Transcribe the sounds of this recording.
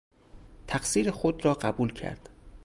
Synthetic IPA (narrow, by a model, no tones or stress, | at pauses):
t̪ʰæqsiːɾexod̪rɒːɢæbuːlcʰæ̰ɾd̪̥